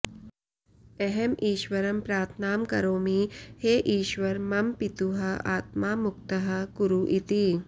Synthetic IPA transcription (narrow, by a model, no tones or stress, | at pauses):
ɛɦemʔiːʃʋɐɾɐmpɾaːt̪ʰnaːmkɐ̰ɾoːmiheːʔiːʃʋɐɾmɐmpit̪uɦɐaːt̪̚maːmukt̪ɐɦɐkuɾuʔit̪iː